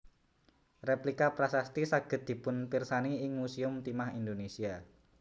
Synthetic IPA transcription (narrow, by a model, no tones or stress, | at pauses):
replikapɾasast̪isaɡ̥ə̤t̪̚d̪̥i̤pʊnpirsaniɪŋmusiʊmt̪imahind̪onesia